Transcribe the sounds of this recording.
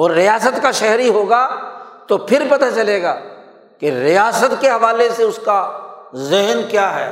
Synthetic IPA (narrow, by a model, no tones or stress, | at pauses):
ɔːɾːijaːsət̪kaʃɛɦɾiɦoːɡat̪opʰɪɾpɐt̪at͡ʃɐleːɡaː | keɾijaːsət̪keɦɐʋaːleseʊskazɪɦnkjaːɦɛ̰ː